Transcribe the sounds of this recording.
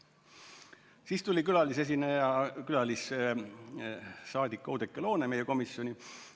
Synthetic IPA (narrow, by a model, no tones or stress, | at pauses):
siːst̪ulʲikylɑlis̬e̞s̬inejɑkylɑlis | sɑːd̪ikːˑɑoːd̪ekːˑelo̞ːneme̞jeko̞misjo̞nʲi